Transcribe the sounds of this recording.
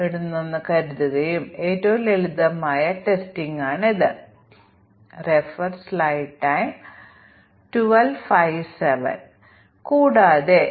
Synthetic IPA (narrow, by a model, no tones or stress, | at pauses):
eɽunːonːɨkɐɾuðiɣɐjume̞ːtːoʋuleɭuðɐmaːjɐʈe̞stiŋɡaːɳiðɨ | refɐrslajʈːajm | ʈuʋɐlfajʋseʋɐ̰n | kuːɽaːðe